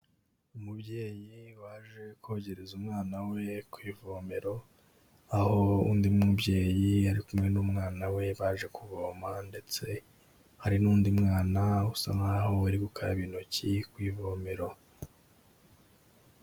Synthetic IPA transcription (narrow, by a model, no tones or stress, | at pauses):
umubɟe̞ːjiwaʒe̞koɟeɾezumŋaːnawe̞kwiːvome̞ɾo̞ | aho̞uːndimŋubɟe̞ːjiaɾikumŋe̞numŋaːnawe̞βaːʒe̞kʰuɡoːmande̞t͡se̞ | haɾinuːndimŋaːnausaŋahoaɾiɡukʰaɾaβinocikwiːvoːme̞ɾo̞